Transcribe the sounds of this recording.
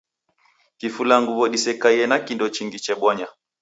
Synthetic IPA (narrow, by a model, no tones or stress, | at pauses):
kifulaŋɡuβɔɗisɛkaɛnakindɔt͡ʃiŋɡit͡ʃɛɓwɔɲa